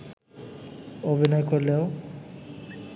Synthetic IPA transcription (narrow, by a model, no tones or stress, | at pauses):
obʱinɔekoɾleo